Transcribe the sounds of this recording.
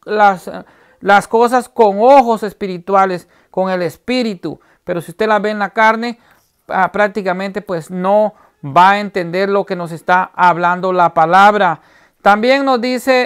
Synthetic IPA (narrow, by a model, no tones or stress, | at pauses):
las | laskos̬askoŋoxosespiɾit̪wales | koŋelespiɾit̪ṵ | peɾosiust̪elaβeːnlakaɾne | apɾak̚t̪ikamẽnt̪epwesno | baent̪end̪eɾlokenos̬est̪aaβland̪olapalaβɾa | t̪ambjeŋnozd̪ise